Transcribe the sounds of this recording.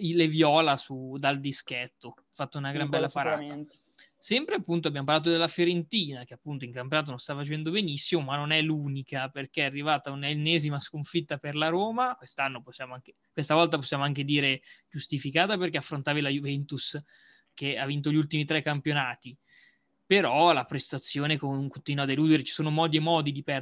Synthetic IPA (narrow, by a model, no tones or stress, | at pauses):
ilevjɔːlasud̪ald̪iskɛt̪ːo | fat̪ːounaɡɾambɛlːapaɾaːa | sɛmpɾeapːunt̪oabjamopalaːt̪̬od̪elːafjoɾent̪iːnak̟eapːunt̪oiŋkamp̬jonaːt̪onõnst̪afat͡ʃɛnd̪obenisːimomanːonɛluːnikaperk̟eɛarːivaːt̪aunanːɛːzimaskoɱfit̪ːaperlaɾoːmakwest̪anːoposːjaːmoaŋke | kwest̪avɔlt̪ap̬osːjaːmoaŋk̟ed̪iːɾed͡ʒust̪ifikaːt̪aperkeafːɾont̪aːvilajuvɛnt̪us | k̟eavːint̪̬oʎiult̪imit̪ɾɛkːampjonaːt̪i | peɾɔlapɾest̪at̪sːjoːnekoŋkont̪inad̪eluːd̪eɾet͡ʃi̥soːnomɔːd̪jemɔːd̪id̪ipɛ